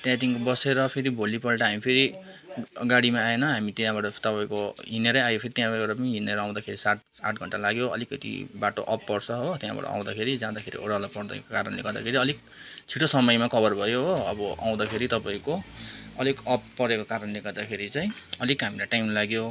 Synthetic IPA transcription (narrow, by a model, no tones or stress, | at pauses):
t̪jãt̪iŋkbʌseɾʌpʰeɾibʱolipʌlʈaɦamipʰeɾi | ɡaɽimaaenʌɦamit̪jãbaʈʌt̪ʌpãĩkoɦineɾʌjajopʰeɾit̪jãbabaʈʌpʌniɦineɾʌaw̃d̪akʰeɾisaʈ̚saʈʰɡʱʌɳʈalaɡjoʌ̰likːʌt̪ḭbaʈoʔʌpːʌrt͡sʰʌɦot̪jã̰ba̰ʈʌ̰ã̰w̃d̪akʰeɾid͡zãd̪akʰeɾḭʔo̰ɾalapʌrd̪a̰kkaɾʌnleɡʌɾd̪a̰kʰeɾiʌlik̚ | t͡sʰiʈosʌmʌjmakʰʌbʌrbʱʌjoɦoʌbʌa̰w̃d̪akʰeɾit̪ʌpãĩkoʌlikʌpːʌɾekokaɾʌnleɡʌd̪akʰeɾit͡saĩ | ʌlikɦamilaʈajmlaɡjo